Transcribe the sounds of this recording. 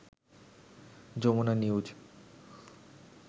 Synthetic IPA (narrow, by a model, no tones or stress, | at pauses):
d͡ʑomonaniud͡ʑ